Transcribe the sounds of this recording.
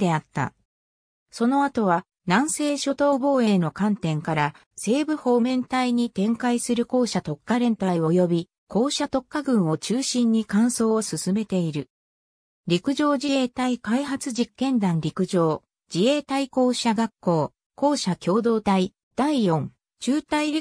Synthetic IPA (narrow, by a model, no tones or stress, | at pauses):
d̪e̞at̪ːa̰ | so̞no̞at̪o̞βa | nãɰ̃se̞ːɕo̞t̪o̞ːbo̞ːe̞no̞kãnt̪ẽ̞ŋkaɾa | se̞ːbɯ̟ho̞ːmẽ̞nt̪aiɲ̟it̪ẽ̞ŋkaisɨɾɯ̟ko̞ːɕat̪o̞kːaɾẽ̞nt̪aiβo̞jo̞bʲi | kʰo̞ːɕat̪o̞kːaɡɯ̟̃ɰ̃o̞t͡ɕɨːɕĩɲ̟ːikãɰ̃so̞ːosɨsɨme̞t̪e̞iɾɯ̟ | ɾʲikɯ̟ʑo̞ːd͡ʑie̞ːt̪aikaiɦat͡sɨʑikːẽ̞nd̪ãnɾʲikɯ̟ʑo̞ː | d͡ʑie̞ːt̪aiko̞ːɕaɡakːo̞ː | ko̞ːɕakʲo̞ːd̪o̞ːt̪ai | d̪̥aijõ̞ŋ | t͡ɕɨːt̪aiɾʲ